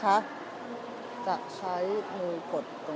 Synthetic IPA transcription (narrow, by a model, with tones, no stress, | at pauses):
kʰa˦˥ʔ | t͡ɕa˨˩ʔt͡ɕʰa˦˥jmɯː˧kʰo˨˩t̪̚kɔ˨˩